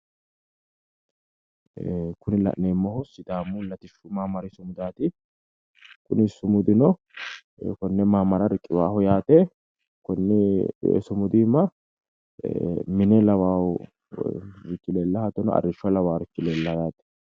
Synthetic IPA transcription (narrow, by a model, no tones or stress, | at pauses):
kʊnɪlɐ̰ʔneːmːɐhʊsɪd̪aːmːʊlɐt̪ɪʃʊmaːmɐɾɪsʊmʊd̪aːt̪ɪ | kʊ̰nɪsʊmʊd̪ɪnɔ | kɔnːɛmaːmɐɾɐɾɪkʼːɪwaːhʊjaːt̪ɛ | kɔnːɛ̰sʊmʊd̪iːmːɐ | mɪnɛlɐwaːw | ɾɪt͡ʃːɪleːlːɐhɐt̪ːɔnɔ̰ɐ̰rːɪʃːʊɐlɐwaːɾɪt͡ʃːɪlelːɐjaːt̪ɛ̥